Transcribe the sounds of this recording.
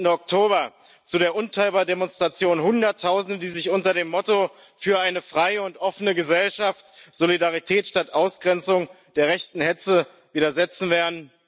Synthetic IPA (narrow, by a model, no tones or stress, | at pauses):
n̩dəɔk̚tʰoːbɐ | t͡sudeːɐʔʊntʰaɪlbademɔnstʁ̥at͡sjoːnhʊndɐtʰːaʊzn̩dədiːzɪçʔʊntɐdeːmːɔto | fyːɐaɪnəfʁ̥aɪəʊntʔɔfənəɡəzɛlʃaftz̥olidaʁitʰɛːtʃtatʔaʊsɡ̥ʁɛnt͡sʊŋ | d̥eːɐʁɛçtn̩hɛt͡sə | viːɾɐzɛt͡sn̩veːɐdn̩